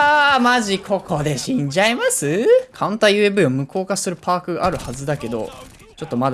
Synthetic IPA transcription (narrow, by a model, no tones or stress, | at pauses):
aːmaʑikʰo̞kʰo̞d̪e̞ɕĩɲd͡ʑaimasɨkʰãnt̪ajɯ̟ːebɯ̟iomɯ̟kʰo̞ːkasɨɾɯ̟pʰaːkɯ̟ɡa̰ʔaɾɯ̟hazɨd̪ake̞d̪o̞̰ | t͡ɕo̞t̪ːo̞mad̪